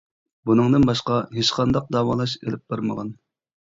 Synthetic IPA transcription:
bunɨŋd̪ɨnbɑʃqɑɦeʃqʰɑnd̪ɑq̚d̪ɑːwɑlˠɑʃḛlɪp̚b̥ɑɾmə̰ʁɑn

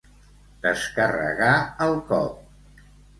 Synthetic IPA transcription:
d̪̥əskərə̰ɣaəlˠkɔ̰p̚

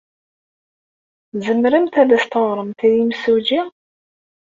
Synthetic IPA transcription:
zəmɾəmt̪æðæst̪əðˤɾˤəmt̪iðimsud͡ʒi

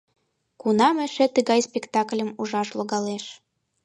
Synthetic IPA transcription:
kunɑmɘ̆ʃĕt̪əɣɑjspʲekt̪ɑklʲə̆muʒɑʃloɣɑleʃ

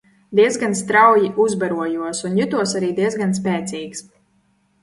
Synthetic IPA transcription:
d̪iɛzɡanst̪ɾawjiʔuzbaɾuɔjuɔsunjut̪uɔsaɾiːd̪iɛzɡans̬pɛːt̪siːks

